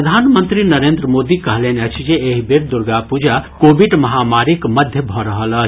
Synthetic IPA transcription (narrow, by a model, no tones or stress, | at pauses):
əd̪ʱanmənt̪ɾinəɾend̪ɾəmod̪ikəɦleneət͡ʃʰd͡ʒeːɦibeɾd̪uɾɡapud͡ʒakobiɖmɐɦamaɾikməd̪ʱjəbʱɔɾəɦələt͡ʃʰ